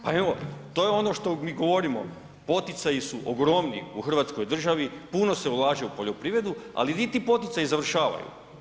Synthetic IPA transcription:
pae̞ʋo̞t̪o̞ːjeo̞no̞ʃt̪o̞miːɡo̞ʋo̞ɾimo̞̰ | po̞t̪it̪sajisuʔoɡɾo̞mnḭuxr̩ʋaːt̪sko̞jd̪r̩ʒaʋipuno̞se̞ulˠaːʒeupo̞ʎo̞pɾiːʋɾe̞d̪ua̰linit̪iːpo̞t̪it̪sajizaʋr̩ʃaːʋa̰jṵ

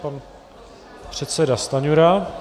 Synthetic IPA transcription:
pan | pr̝̥ɛt̪sɛdast̪aɲuɾa

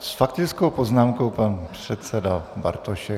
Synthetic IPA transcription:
sfakt̪ɪt͡sko̞wpo̞znaːmkowpanpr̥ɛt̪sɛdaba̰ɾt̪oʃɛ

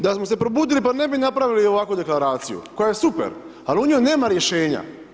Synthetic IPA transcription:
d̪asmose̞pɾobuːd̪ilipane̞binapɾaʋilio̞ʋakud̪e̞klˠaɾaːt̪sijṵko̞jaje̞supḛɾ | aliuɲomne̞ːmaɾje̞ʃe̞ːɲa̰

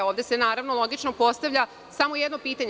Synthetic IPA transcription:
oːʋd̪e̞se̞naːɾaʋnolˠo̞ɡit͡ʃno̞po̞st̪aʋʎa | samo̞jed̪no̞piːt̪aɲe

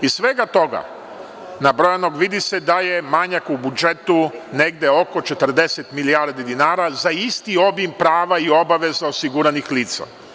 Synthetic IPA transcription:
isʋeɡat̪o̞ɡa̰ | nabɾo̞jano̞ɡʋid̪ise̞d̪aje̞maɲakubud͡ʒe̞t̪une̞ɡd̪e̞o̞ko̞t͡ʃe̞t̪r̩d̪e̞set̪milijaɾd̪id̪inaːɾazaist̪io̞bimpɾaːʋaio̞baʋe̞zaosiɡuɾanixliːt̪sa̰

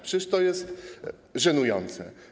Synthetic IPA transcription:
pʂɘst̪ɔjɛst̪ | ʐɛnujɔnt̪sɛ̰

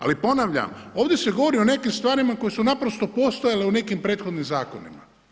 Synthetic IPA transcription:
a̰lipo̞naʋʎa̰mo̞ːʋd̪e̞se̞ɡo̞ʋoɾio̞ne̞kimst̪ʋaːɾimako̞jesunapɾo̞st̪o̞po̞st̪ojaleune̞kimpɾe̞ːt̪xo̞d̪nimzaːkonḭma̰

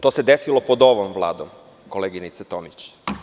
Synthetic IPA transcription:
t̪ose̞d̪esilopod̪o̞ʋomʋlˠa̰ːd̪om | koleːɡinit̪set̪omit͡ɕ

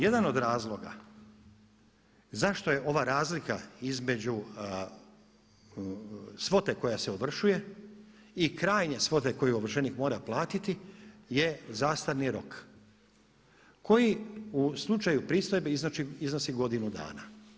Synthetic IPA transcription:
je̞d̪ano̞d̪ɾaːzlˠo̞ɡa̰ | zaʃt̪o̞je̞ʔo̞ʋaɾaːzlikaizme̞d͡ʑu | sʋo̞t̪e̞ko̞jase̞oʋr̩ʃuje̞ | ikɾaːjɲe̞sʋo̞t̪e̞ko̞juoʋr̩ʃe̞nikmo̞ːɾaplˠaːt̪it̪ije̞zaːst̪aɾniɾo̞k | ko̞jiuslˠut͡ʃajupɾiːst̪o̞jbeiznot͡ʃiizno̞siɡo̞d̪inud̪a̰ːna̰

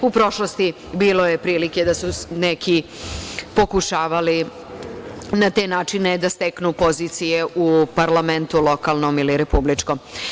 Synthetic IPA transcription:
upɾo̞ʃlost̪i | biːlo̞jepɾiːlike̞d̪asuneki | po̞kuʃaːʋali | nat̪e̞naːt͡ʃine̞d̪ast̪eknupo̞ziːt̪sijeʔupaɾlament̪ulo̞kalˠnomiliɾe̞publit͡ʂkom

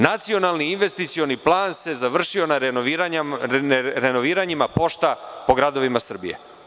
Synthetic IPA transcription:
nat̪sio̞nalˠniːnʋe̞st̪it̪sio̞niplˠaːnse̞zaʋr̩ʃio̞na | ɾenoʋiːɾaɲimapo̞ʃt̪apo̞ɡɾad̪o̞ʋimasr̩bḭje̞̰

